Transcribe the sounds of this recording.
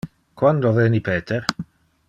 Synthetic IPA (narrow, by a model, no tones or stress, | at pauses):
kwand̪oveːnipeːt̪ʰeɾ